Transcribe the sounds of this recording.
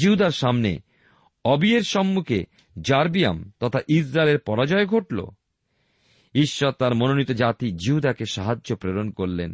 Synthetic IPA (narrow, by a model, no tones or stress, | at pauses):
iɦud̪aɾʃamnḛ | ɔbieɾʃɔmːukʰe | d͡ʑaɾbia̰mt̪ɔt̪ʰaʔisɾaeleɾpɔɾad͡ʑɔeɡʱoʈlo̰ | iʃːɔɾt̪aɾmononit̪od͡ʑat̪id͡ʑiɦud̪akeʃaɦad͡ʑːopɾeɾonkoɾlen